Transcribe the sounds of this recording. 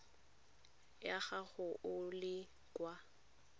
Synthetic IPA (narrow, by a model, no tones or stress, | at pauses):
jaɣaɣʊʔʊlɪ | kʼwa